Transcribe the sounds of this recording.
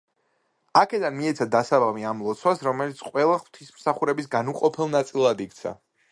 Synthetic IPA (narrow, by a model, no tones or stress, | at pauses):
akʰɛd̪anmiɛt̪sʰad̪asabamiamlˠɔt̪sʰwasɾɔmɛlit̪sʰqʼwɛlˠaχw̥t̪ʰismsaχuɾɛbisɡanuqʼɔpʰɛlˠnat̪sʼilˠad̪ik̚t̪sʰa̰